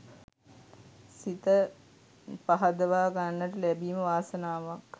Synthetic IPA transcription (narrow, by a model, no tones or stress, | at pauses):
sit̪ə | paɦad̪əʋaːɡanːəʈəlæbiːməʋaːsənaːʋak